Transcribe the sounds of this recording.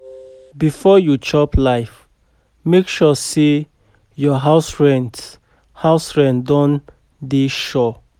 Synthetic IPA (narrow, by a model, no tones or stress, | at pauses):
bifɔjut͡ʃɔplaɪf | mekʃɔse | jɔɦaʊsɹɛ̃nd | haʊsɹɛ̃ndɔ̃n | diʃɔ